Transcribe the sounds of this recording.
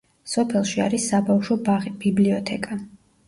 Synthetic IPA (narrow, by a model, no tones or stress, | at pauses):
sɔpʰɛlˠʃia̰ɾisːabafʃɔbaʁib̥ibliɔt̪ʰɛkʼa